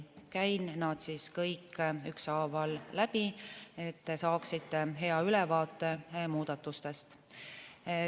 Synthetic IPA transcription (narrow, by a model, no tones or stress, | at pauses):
kæjnːɑd̪̥siskɤjkːyksɑːvɑlːæb̥ie̞t̪ːesɑːksit̪ːe̞ɦe̞ɑylɛvɑːt̪ˑːe̞muːd̪̥ɑt̪ːˑust̪e̞st̪